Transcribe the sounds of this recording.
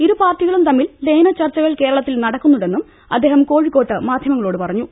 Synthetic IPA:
iɾupaːrʈːiɣɐɭumt̪ɐmːilleːnɐt͡ɕɐrt͡ɕːɐɣɐɭke̞ːɾɐɭɐt̪ːilnɐɽɐkːunːuɽe̞nːum | ɐ̰d̪ːe̞ːhɐmko̞ːɻikːo̞ːʈːɨmaːd̪ʱjɐmɐŋːɐɭo̞ːɽɨpɐrɐɲːu

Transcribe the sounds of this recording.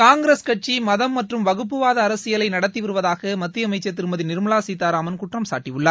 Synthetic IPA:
kaːŋɡɪɾeskɐʈ̚t͡ʃimɐðɐmːɐʈrɯmʋɐɣɯp̬ːɯʋaːðɐːɾɐsɪjɐlɐɪnɐɽɐt̪ːiʋɪɾɯʋɐðaːɣɐmɐt̪ːɪɐmɐɪt͡ʃːɐt̪ːɪɾɯmbɐðɪnɪɾɯmɐɭaːsiːt̪ːaːɾaːmɐnkʊʈrɐmsa̰ːʈːiʋɯɭːɐɾ

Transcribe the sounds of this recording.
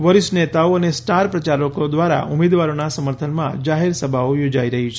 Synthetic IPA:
ʋəɾiʃnet̪aoənesʈaɾpɾət͡ʃaɾokod̪ʋaɾa̰ʔumed̪ʋaɾonasəməɾt̪ʰənmã̰d͡ʒaɦeɾsəbʱaojod͡ʒaiɾəɦit͡ʃʰe

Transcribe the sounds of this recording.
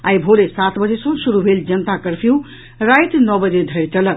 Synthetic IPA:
ajbʱolesat̪ʰbəd͡zesʌ̃suɾubʱeld͡ʒənt̪akəɾpʰiw | ɾajt̪nɔbəd͡zed̪ʱəɾt͡ʃəl

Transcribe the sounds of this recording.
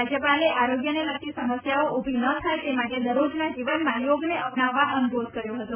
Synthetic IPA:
ad͡ʒəpaleʔaɾoɡjəneləkt̪isəməsjaoʔubʱinət̪ʰajt̪emaʈed̪əɾod͡ʒnad͡ʒiʋənmãjoɡneʔəpnaʋːaʔənubod̪ʱkəɾjoɦət̪o

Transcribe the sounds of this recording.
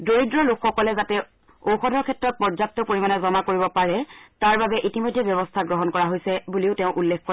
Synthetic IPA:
doɹidɹɔlukxɔkɔlɛzatɛ | owxɔdʱɔɹkʰɛtɹɔt̚pɔzak̚tɔpoɹimanɛzɔmakoɹibɔpaɹɛtaɹbabɛʔitimojdʱːɛbjɔβɔstʰaɡɹɔɦɔnkɔɹaɦojsɛbuliʊtɛʊ̃ʔulːekkɔ

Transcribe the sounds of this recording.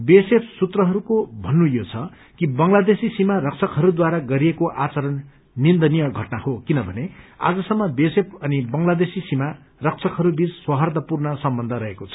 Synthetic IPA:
besepʰsut̪rʌɦʌɾukobʱʌnːũjot͡sʰʌ | kibʌŋlad̪esisimarʌk̚t͡sʰʌkɦʌɾud̪waɾaɡʌɾiekoʔat͡sʌɾʌnː | ind̪ʌnijʌɡʱʌʈnahokinʌbʱʌnea̰d͡zʌsʌmːʌbesepʰʌnibʌŋlad̪esisima | rʌk̚t͡sʰʌkɦʌɾubit͡sswʌɦʌrd̪ʌpurnʌsʌmbʌnd̪ʱʌɾʌɦekot͡sʰʌ̥

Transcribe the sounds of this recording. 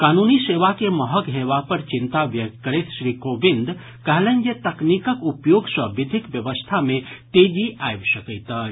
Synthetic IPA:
kaːnuːniseːʋakeməɦəkɦeːʋapəɾt͡ʃɪ̃nt̪aʋjək̚t̪̚kəɾet̪ʃɾikoːbɪ̃nd̪ | kəɦlẽnd͡ʒet̪ɐknikəkupjoːɡsəbɪd̪ʱɪkʋjəʋəst̪ʰamẽt̪eːd͡ʒiʔajbʃəkəjt̪ə

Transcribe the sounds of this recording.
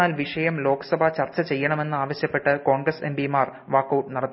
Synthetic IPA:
aːlʋiʂɐjɐmlo̞ːkɐ̥sɐbʱɐt͡ɕɐrt͡ɕːɐt͡ɕe̞jːɐɳɐme̞nːɨaːʋɐɕjɐpːe̞ʈːɨko̞ːɳɡrɐsembimaːr | ʋaːkːɐwʈːnɐɽɐt̪ː

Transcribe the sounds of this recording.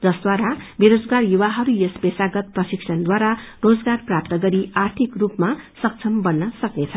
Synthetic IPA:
d͡zʌsd̪waɾabeɾod͡zɡarjuwaɦʌɾujʌspesaɡʌt̪̚prʌsiksʰʌnd̪waɾarod͡zɡarprap̚t̪ʌɡʌɾiart̪ʰikrupmasʌk̚t͡sʰʌmbʌnːʌsʌknet͡sʰʌ

